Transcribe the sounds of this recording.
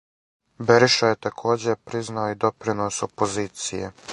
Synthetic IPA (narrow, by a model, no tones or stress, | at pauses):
beɾiʃajet̪akʰo̞ːd͡ʑepɾiznaoid̪o̞pɾinoso̞poziːt̪sijḛ